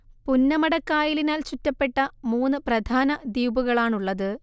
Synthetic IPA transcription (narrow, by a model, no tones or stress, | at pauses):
punːɐmɐɽɐkːaːjilinaːlt͡ɕutːɐpːe̞ʈːɐmuːnːɨprɐd̪ʱaːnɐd̪iːbuɣɐɭaːɳuɭːɐðɨ